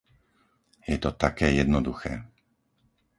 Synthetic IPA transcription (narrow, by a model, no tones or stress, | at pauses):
jɛt̪ɔt̪akɛːjɛd̪nɔd̪uxɛː